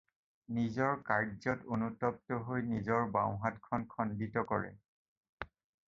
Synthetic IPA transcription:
nizɔɹkaɹzɔtonutɔp̚tɔɦojnizɔɹbã̰w̃ɦatkʰɔnkʰɔnditɔkɔɹɛ̰

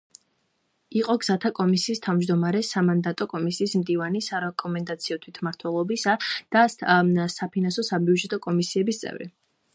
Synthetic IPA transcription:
iqʼɔɡz̥at̪ʰakʼɔmisiːst̪ʰavmd͡ʒd̪ɔmaɾɛsamand̪at̪ʼɔkʼɔmisiːsmd̪ivanisaɾɛkʼɔmɛnd̪at̪sʰiɔt̪ʰwit̪ʰmaɾt̪ʰwɛlˠɔbisad̪̥asapʰinansɔsabiud͡ʒɛt̪ʼɔkʼɔmisiɛbist̪sʼɛ̰vɾḭ

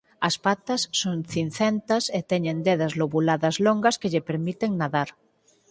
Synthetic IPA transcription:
ɐspat̪ɐsːoŋθin̟θɛnt̪ɐset̪ɛɲẽnd̪eðɐzloβulaðɐzloŋɡɐskeʎepeɾmit̪eŋnaðaɾ

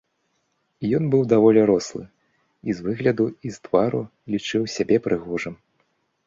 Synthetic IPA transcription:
ijɔnbɨwd̪avɔlʲɛɾɔslˠɨ̰ | izvɨɣlʲɐd̪uizt̪vaɾu | lʲit͡ʂɨwsʲabʲɛpɾʔɨɣɔʐɨm

